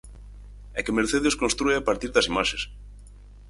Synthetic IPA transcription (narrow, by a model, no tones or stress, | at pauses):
ɛkemeɾθeðeskonst̪ɾueapaɾt̪iɾðɐsimaʃes